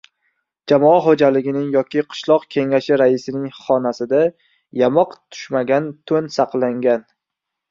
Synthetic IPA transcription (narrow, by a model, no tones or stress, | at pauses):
d͡ʒamɒaɦod͡ʒalɪɡʲɪnɪŋjɒkʲʰɪqʰɨ̥ʃlˠɒqkʲʰe̞ŋaʃɪɾaɪsɪnɪŋχɒnasɪd̪a | jamɒqt̪ʰʊ̥ʃmaɡʲant̪ʰɵnsɑqlˠaŋɡʲan